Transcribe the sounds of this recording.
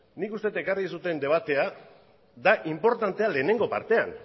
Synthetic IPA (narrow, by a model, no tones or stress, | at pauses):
nikust̪et̪ekarisut̪e̞nd̪e̞β̞at̪e̞a | d̪aʔimpo̞ɾt̪ant̪e̞ale̞ːne̞ŋɡo̞pa̰ɾt̪e̞a̰n